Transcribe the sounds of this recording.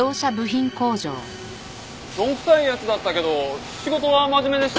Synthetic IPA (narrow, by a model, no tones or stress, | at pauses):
o̞ːɕabɯ̟çĩŋko̞ːd͡ʑo̰ː | ɾõ̞ŋkɯ̟̥saijat͡sɨd̪at̪ːake̞d̪o̞ | ɕiɡo̞t̪o̞βamaʑime̞d̪e̞ɕ